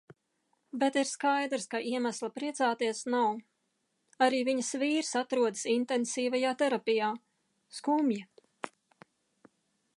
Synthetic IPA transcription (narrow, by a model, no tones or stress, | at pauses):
bet̪iɾskajd̪ɾskaʔiɛmaslˠapɾiɛt̪saːt̪iɛsnaw | aɾiːviɲəsviːɾsat̪ɾuɔd̪ɨsint̪ensiːvajaːt̪ɛɾapʲijaː | skumja